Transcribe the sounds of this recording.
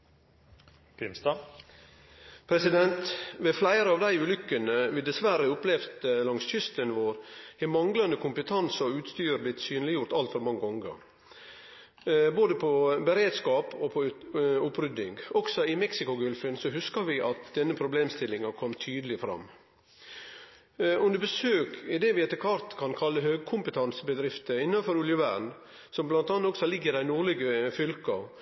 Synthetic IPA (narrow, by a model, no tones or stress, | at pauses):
pʰɪmst̪ɑ | pʰɾɛsɪd̪ɛnt̪ʋeflæɪɾəɑːʋd̪æɪʉːlʏkːənəʋɪd̪ɛsʋæɾəʊplɛft̪lɑŋsçʏst̪ənʋoːɾhɛmɑŋɡlɑnd̪əkʰʊmpət̪ʰɑnsɔʉːt̪st̪yːɾb̪lɪt̪syːnlɪjʊɾt̪ɑlt̪fɔɾmɑŋːəɔŋɡɑ̰ŋ | boːd̪əpʰɔbəɾeːd̪skɑːpɔpʰɔʊpɾʏd̪ːɪ̰ŋɡɔɡ̥sɔɪmɛksɪkʊɡʉlfənsɔɦʉskɑʋɪʔɑt̪̚d̪ɛnːəpʰɾʊbleːmst̪ɪlːɪŋɑkʰɔmːt̪ʰyːd̪əlɪfɾɑ̰mː | ʉnd̪əbəsøːkʰɪd̪ɛʋɪɛt̪ːəkʰʋɑɾt̪kʰɑnkʰɑlːəɦøːɡ̚kʰʊmpət̪ʰɑnsəbəd̪ɾɪft̪əɪnːɑfɔɾʊljəʋæɳ | sɔmblɑnt̪ɑːnt̪ɔksɔlɪɡːəd̪æɪnuːɾɭɪɡəfʏlkɑ